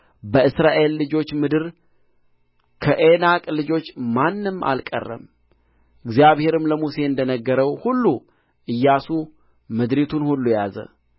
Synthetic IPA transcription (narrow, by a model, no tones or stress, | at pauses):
bəɨsɾaʔe̞lːɨd͡ʒo̞t͡ʃːmɨd̪ɨɾ | kʰəʔenakʼlɨd͡ʒo̞t͡ʃːmanːɨma̰lkʼə̰rːə̰m | ʔɨɡzjaβhe̞ɾɨmləmuse̞ɨnd̪ənəɡːəɾəwhulːu | ʔɨjːasu | mɨd̪ɾit̪ʰunhulːujazə̰